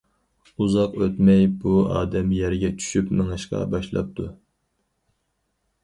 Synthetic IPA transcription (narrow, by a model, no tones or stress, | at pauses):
uzɑqøt̪mɛjbuɑ̰ːd̪ɛmjɛɾɡʲɛt͡ʃʰy̥ʃypmɪŋɨʃqɑ̰bɑʃlˠɑ̰p̚t̪ʰu